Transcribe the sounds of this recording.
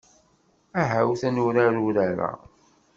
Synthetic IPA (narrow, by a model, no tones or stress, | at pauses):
æɦæwθænuɾaɾuɾæɾæ̰